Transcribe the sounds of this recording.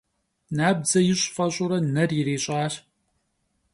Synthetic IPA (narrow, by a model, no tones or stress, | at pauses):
naːb̚zɐjɪɕʼfɐɕʼʊɾɐnɐrjɪɾeːɕʼaːɕ